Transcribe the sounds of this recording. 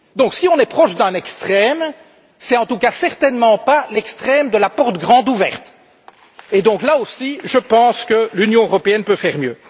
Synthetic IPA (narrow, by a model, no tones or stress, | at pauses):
d̪ɔ̃ksiɔ̃nɛpχɔʃd̪ɛ̃nɛkst̪χɛm | sɛt̪ɑ̃t̪ukasɛʁt̪ɛnmɑ̃palɛkst̪χɛmd̪əlapɔʁt̪ɡʁɑ̃d̪uvɛ̰ʁt̪ | ed̪ɔ̃ːklaosiʒəpɑ̃skəlynjɔ̃øʁɔpeɛnpøfɛʁmjøː